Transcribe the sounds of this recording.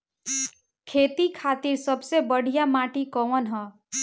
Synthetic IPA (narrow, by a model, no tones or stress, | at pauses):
kʰet̪ikʰat̪iɾsʌbsebʌɽʱijamaʈikʌwʌnɦʌ